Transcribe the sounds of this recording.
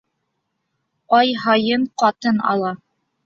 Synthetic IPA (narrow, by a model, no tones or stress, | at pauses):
ɑjɦɑjɤɴqɑt̪ɤnɑ̰lˠɑ